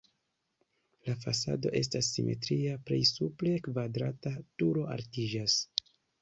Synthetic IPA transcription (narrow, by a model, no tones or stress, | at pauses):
lafasa̰do̞̰ʔe̞s̬tasːimʔe̞̰tɾiapɾḛjsuple̞kvadɾatatuɾo̞a̰ɾtid͡ʒas